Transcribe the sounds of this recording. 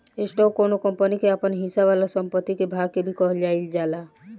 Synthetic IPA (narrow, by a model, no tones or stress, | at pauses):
esʈokonokəmpənikeəpənɦĩsaʋalasəmpət̪ːikebʱaɡ̚kebʱikɔɦəld͡ʒaːild͡ʒaːla